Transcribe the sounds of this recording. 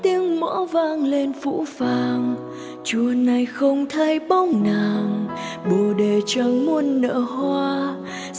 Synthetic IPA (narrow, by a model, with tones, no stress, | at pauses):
t̪i˧əŋmɔ̰˧˥vaː˧ŋle˧nfṵ˧˥faː˧ŋ | t͡ɕu˨˧˩əna˨˩jxə˧wŋ͡mt̪ʰa˧jɓa˧wŋ͡mnaː˨˩ŋɓu˨˩əɗe˨˩t͡ɕə˧˩wmo˧nːə̰ː˧˥hwaː˧